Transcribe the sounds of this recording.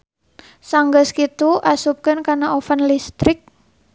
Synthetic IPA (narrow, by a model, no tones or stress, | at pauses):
saŋɡəskit̪uʔasup̚kənkanaofənlist̪ɾɪk̚